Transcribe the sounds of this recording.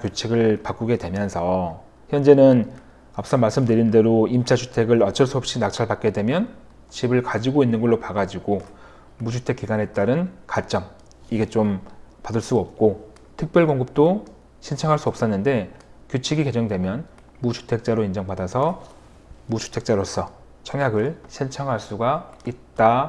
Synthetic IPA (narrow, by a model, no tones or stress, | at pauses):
kjot͡ɕʰiɡɯɭpak͈uɡe̞dwe̞mjʌnsʰʌ | çjʌnd͡ʑe̞nɯn | ap̚s͈ʌmaɭs͈ɯmdɯɾinde̞ɾoimt͡ɕ͈ʰat͡ɕʰu̥tʰe̞ɡɯɭʌt͡ɕʰʌɭs͈uʌp̚ɕ͈inak̚t͡ɕʰaɭbat̚k͈e̞dwe̞mjʌn | t͡ɕʰibɯɭkad͡ʑiɡoinːɯnɡʌɭːopaɡad͡ʑiɡo | mut͡ɕʰutʰe̞k͈iɡane̞t͈aɾɯnkat͡ɕ͈ʌŋ | iɡe̞t͡ɕompadɯɭs͈uʌp̚k͈o | tʰɯk̚pjʌɭkoŋɡɯp̚t͈o | ɕʰint͡ɕʰaŋɦaɭs͈uʌp̚s͈ʌnːɯnde̞kjot͡ɕʰiɡike̞d͡ʑʌŋdwe̞mjʌn | mut͡ɕʰu̥tʰe̞k̚t͡ɕ͈aɾoind͡ʑʌŋbadasʰʌ | mut͡ɕʰu̥tʰe̞k̚t͡ɕ͈aɾosʰʌ | t͡ɕʰʌŋjaɡɯɭɕʰint͡ɕʰaŋɦaɭs͈uɡait̚t͈a